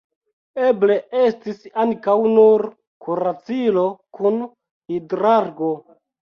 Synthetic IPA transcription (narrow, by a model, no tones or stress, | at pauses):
e̞ble̞estisaŋkawnuɾ | kuɾat͡silokun | hidɾaɾɡo̞